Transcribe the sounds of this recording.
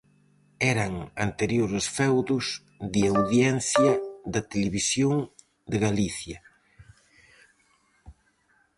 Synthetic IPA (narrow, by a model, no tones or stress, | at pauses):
ɛɾɐŋa̰nt̪eɾjoɾesfɛwðʊs | ðiawðjɛnθjɐðɐt̪eleβisjoŋ | d̪eɣaliθjɐ